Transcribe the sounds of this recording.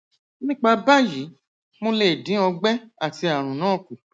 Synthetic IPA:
nĩ˦k͡pa˧ba˦ji˨˦ | mõ˧le˦˨dĩ˨˦ɔ˧ɡ͡bɛ˦a˦˨ti˧a˨ɾ̃ũ˨nãː˦˨ku˨

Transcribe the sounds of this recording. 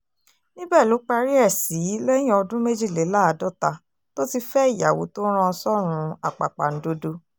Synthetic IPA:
nĩ˦bɛ˦˨lo˨˦k͡pa˧ɾi˦ɛ˦˨si˨˦lɛ˦j̃ĩ˦ɔ˧dũ˦me˦d͡ʒi˦˨le˨˦la˦a˧dɔ˦˨ta˧ | to˦ti˦˧fɛ˦i˦˨ja˨wo̰˨˦to˦ɾ̃ã˧sɔ˦˨ɾ̃ũ˨˧˦a˨k͡pa̰˨k͡pa̰˨ñ̩˨˦do˦do˧

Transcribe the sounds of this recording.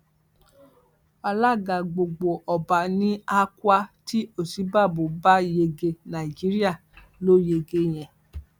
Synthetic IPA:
a˧la˦˨ɡa˨ɡ͡bo˨ɡ͡bo˨ʔɔ˨ba˨nĩ˦a˧kwa˧ti˦o˦˨si˨˦ba˦˨bo˨ba˦je˧ɡe˧nã˨i˨d͡ʒi˨˦ɾi˦a˦˨ | lo˦je˧ɡe˧˦j̃ɛ̃˨

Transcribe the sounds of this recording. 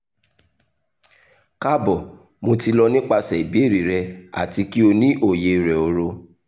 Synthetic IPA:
ka˦bɔ˨ | mo˧ti˧lɔ˧nĩ˦k͡pa˧sɛ˨i˨bi˨˦e˦˨ɾi˨ɾɛ˧a̰˨ti˧ki˦o˧nĩ˦ʔo˦˨je˧˨ɾɛ˨o˨ɾo˧

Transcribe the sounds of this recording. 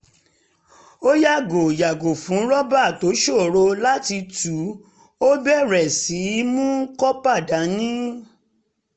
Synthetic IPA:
o˦ja˦˨ɡo˨ja˨ɡo˨fũ˨˦ɾɔ˦ba˦˨to˨˦ʃo˦˨ɾo˧la˦ti˧tu˨˦ | o˦bɛ˦˨ɾɛ˨si˨˦mũ˦kɔ˦pa˦˨da˨˦nĩ˦

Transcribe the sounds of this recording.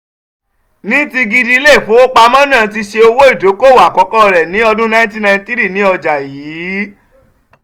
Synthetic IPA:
nĩ˦ti˧ɡi˧di˧˦le˦˨fo˨˦o˦k͡pa˧mã˦nũ˦˨˧t̬i˧ʃe˧o˧wo˦i˦˨do˨˦ko˦˨wa˨kɔ˨˦kɔ˦ɔ˧ɾɛ˨nĩ˨˦ɔ˧dũ˦nã˦t̬ĩ˦nã˧˨˧ti˦ɾi˦˨nĩ˨˦ɔ˧d͡ʒa˨jiː˨˦

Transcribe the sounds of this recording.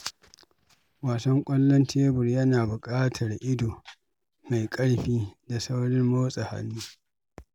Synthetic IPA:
waː˨sɐ˦ŋkʷʼɐ˦lːɔ˦ntʰeː˦bʊ˨rjɐ˦naː˨bʊ˨kʼaː˦tʰɐ˨rʔɪ˦doː˨ | ma˨jkʼɐ˦ɽɸiː˦da˨sa˦wɽɪ˦mmoː˦sʼɐ˨ha̰˦nːuː˦

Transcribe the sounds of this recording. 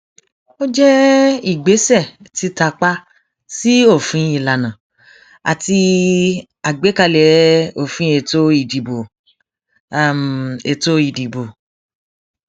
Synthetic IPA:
o˦d͡ʒɛ˦i˦˨ɡ͡be˨˦sɛ˦˨ti˧ta˧k͡pa˦ | si˦o˦˨fĩ˨˦i˨la˨nã˨ | a̰˨ti˧ | a˨ɡ͡be˨˦ka˧lɛ˨o˦˨fĩ˦e˧˨to˦i˦˨di˨bo˨˦˨ | me˧to˦i˦˨di˨bo˨

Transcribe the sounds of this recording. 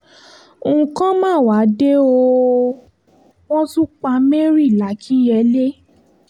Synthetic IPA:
ŋ̩˨kã˦mãː˦˨wa˨˦de˦o˧ | wɔ̃˦su˦k͡pa˧˦me˦ɾi˦˨la˨˦kʰi˦jɛ˧˦le˦

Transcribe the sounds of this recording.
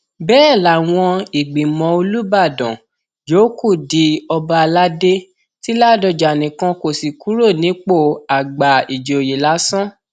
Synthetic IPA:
bɛː˦˨la˨w̃ɔ̃˧i˨ɡ͡bĩ˨mɔ̃˨o˧lu˦ba˦˨dɔ̃˨ | jo˨˦ku˦˨di˨˦ɔ˧ba˧la˦de˦ | ti˦la˦˨dɔ˧˨d͡ʒa˨nĩ˨kã˧ko˨si˨ku˨˦ɾo˦˨nĩ˨˦k͡po˦˨a˨ɡ͡ba˨i˨d͡ʒo˨o˨ji˨la˨˦sɔ̃˦

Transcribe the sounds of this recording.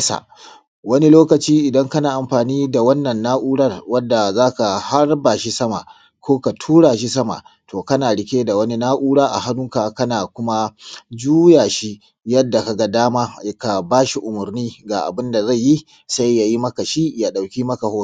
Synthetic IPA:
sa̰˨ | wɐ˦ni˦loː˦kɐ˨t͡ʃiː˦ʔɪ˨dɐ˦ŋkɐ˦naː˨ʔa˨mɸaː˨niː˦da˨wɐ˦nːɐ˨nːaː˦ʔuː˦ɽɐ˦rwɐ˦dːa˨zaː˦ka˨ha˦rbaː˨ʃi˦sɐ˦ma̰˨ | kʷoː˦ka˨tʰuː˦ɽaː˨ʃ̬i˦sɐ˦ma̰˨tʰoː˨kɐ˦naː˨ɽɪ˦kʲeː˦da˨wɐ˦ni˦naː˦ʔuː˦ɽaː˦ʔa̰˨ha˦nʊ˦ŋka˨kɐ˦naː˨kʷʊ˦ma˦d͡ʒuː˦jaː˨ʃi˦ | jɐ˦dːa˨ka˨ɡa˦daː˦maː˦ka˨baː˦ʃi˦ʔʊ˨mʊ˨rniː˦ɡaː˨ʔa̰˨bɪ˦nda˨za˦˨ji˦ | sa˦jːa˨ji˦mɐ˦ka˨ʃi˦jaː˦ɗa˨wkʲiː˦mɐ˦ka˨hoː˦˨

